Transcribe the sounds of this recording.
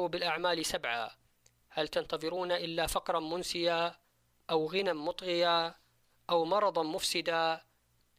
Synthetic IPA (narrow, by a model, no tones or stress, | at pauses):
bɪlʔaʕmaːlsabʕa̰ | halt̪ant̪ɑðˤɨɾuːnaʔɪlːafɑqɾˤɑmʊnsɪja | ʔawɣɪnamʊt̪ˤɣɪja | ʔawmɑɾˤɑd̪ˤɑmʊfsɪd̪a